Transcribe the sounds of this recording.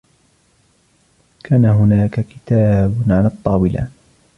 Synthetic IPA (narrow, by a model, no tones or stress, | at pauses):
kʰaːnaɦʊnaːkakɪ̥t̪aːbʕanɨɑt̪ˤːɑːwɪla̰